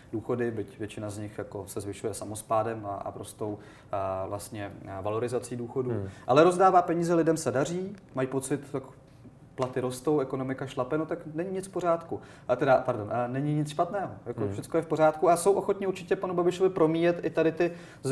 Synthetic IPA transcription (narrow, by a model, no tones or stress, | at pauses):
duːxo̞dɪbɪcvjɛt͡ʃɪnazɲɪxjako̞sɛzvɪʃujɛsamospaːdɛma̰ɾost̪o̞w | vlast̪ɲɛvalo̞ɾɪzat͡siːduːxo̞duːʔalɛɾo̞zdaːvaːpɛɲiːzɛlɪdɛmsɛdar̝iːmajipo̞t͡sɪt̪t̪ak | plat̪ɪɾo̞st̪o̞wɛko̞no̞mɪkaʃlapɛnot̪aknɛɲiɲɪt͡sfpo̞ɾ̝aːt̪ku | t̪ɛdapaɾdo̞nnɛɲɪɲɪt͡sʃpat̪nɛːɦo̞jakofʃɛt͡skojɛfpo̞r̝aːt̪kuaso̞wʔo̞xot̪ɲɪuɾt͡ʃɪcɛpanubabɪʃo̞vɪpɾo̞miːjɛt̪ʔɪt̪adɪt̪ɪ | z